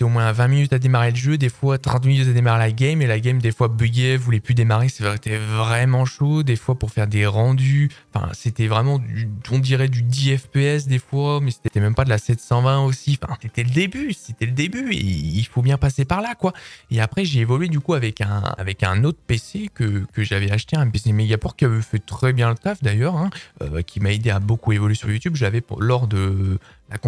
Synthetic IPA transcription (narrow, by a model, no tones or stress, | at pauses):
se̥t̪ɛomwɛ̃vɛ̃minyt̪ad̪emaʁelʒød̪efwat̪χɑ̃t̪minyt̪ad̪emaʁelaɡɛmelaɡʲɛmd̪efwabyɡɛvulɛpyd̪emaʁesɛvɛt̪ɛvʁɛmɑ̃ʃod̪efwapuʁfɛʁd̪eʁɑ̃d̪yɑ̃fɛ̰̃set̪ɛvʁɛmɑ̃d̪ɔ̃d̪iʁɛd̪yd̪iɛfpeɛs̬d̪efwamɛse̥t̪ɛt̪ɛmɛmpad̪əlasɛt̪sɑ̃vɛ̃osiɑ̃fɛ̰̃set̪ɛləd̪ebyset̪ɛləd̪ebyḛilfobjɛ̃pasepaʁlakwaeapχɛʒeevɔlɥed̪ykuavɛkɛ̰̃a̰vɛkɛ̃not̪χəpesekəkəʒavɛaʃt̪eɛ̃pesemeɡʲapuʁkʲiavɛfɛt̪χɛbjɛ̃lət̪afd̪ajœʁɛ̃ø̰kʲʰimaed̪eabokuevɔlɥesy̰ʁjut̪ʲybʒavɛplɔʁd̪ə | lakɔ̃